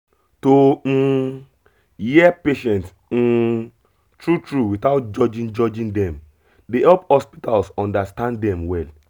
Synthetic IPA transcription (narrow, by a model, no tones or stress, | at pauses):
to | jiɛpeʃɛ̃nts̩ | tɹutɹuwitaʊt̚d͡ʒɔd͡ʒĩnd͡ʒɔd͡ʒĩndɛ̃m | dehɛlphɔspitalsɔ̃ndastãndɛ̃mwɛl